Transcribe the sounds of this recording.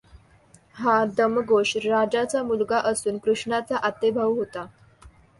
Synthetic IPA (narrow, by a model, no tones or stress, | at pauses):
had̪əmɡoʂɾad͡ʑat͡samulɡaʔəsuːnkɾuʂɳat͡saʔat̪ebʱəʋɦot̪a